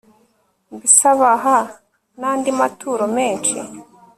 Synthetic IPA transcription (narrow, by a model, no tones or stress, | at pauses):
mbisaβaɦa | naːndimatuːɾomeːnt͡ʃḭ